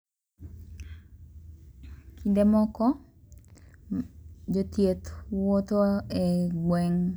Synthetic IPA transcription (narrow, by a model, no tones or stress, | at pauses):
kʰindemɔkɔ | d͡ʒot̪jet̪wot̪oɛɡwɛŋ